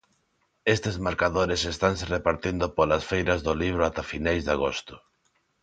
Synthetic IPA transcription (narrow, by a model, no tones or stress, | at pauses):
est̪ezmaɾkaðoɾesest̪aŋserepaɾt̪ind̪opolasfejɾɐzðoliβ̞ɾʊat̪afinajzðaɣost̪ʊ̥